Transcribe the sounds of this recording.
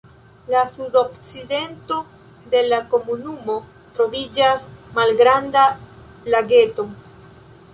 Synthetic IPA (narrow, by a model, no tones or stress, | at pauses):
lasudo̞kt͡side̞nto̞ | de̞lako̞munumo̞ | tɾo̞vid͡ʒasmalɡɾanda | laɡe̞to̞